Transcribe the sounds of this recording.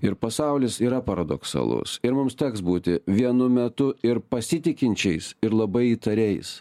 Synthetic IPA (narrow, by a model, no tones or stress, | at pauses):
ɪɾpɐsɑʊlʲɪsiːɾɐpɐɾɐd̪o̰ksɐ̰lˠʊ̰sɪɾmʊmst̪ʲɛksbuːt̪ʲɪʋʲiɛnʊmʲɛt̪ʊɪɾpɐsʲɪt̪ʲɪkʲɪnʲt͡ʃʲɛɪsɪɾlˠɐbɐɪiːt̪ɐɾʲɛɪs